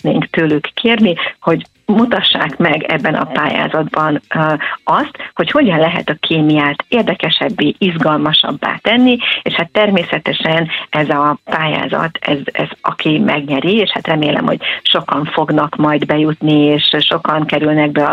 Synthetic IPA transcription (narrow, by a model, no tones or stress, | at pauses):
neːŋkt̪øːlykːeːrniho̞ɟ | mut̪ɒʃːa̰ːkmɛɡɛ̰bːɛnɒ̰paːja̰ːzɒd̪bɒn | ɒst̪ho̞cho̞ɟɒnlɛɦɛ̰t̪ɒkʰeːmijaːt̪eːrd̪ɛkɛʃɛbːeːʔizɡɒlmɒʃɒ̰bːa̰ːt̪ɛnːieʃhat̪ːɛrmeːsɛt̪ɛʃɛnɛzɒpaːja̰ːzɒ̰t̪ɛ̰zɛ̰zɒ̰kʰimɛɡɲɛɾieːʃhat̪rɛmeːlɛ̰mho̞̰ɟ̥ʃo̞kɒɱfo̞ɡnɒkmɒjd̪bɛjut̪nieːʃʃo̞kɒŋkɛɾylnɛɡbɛɒ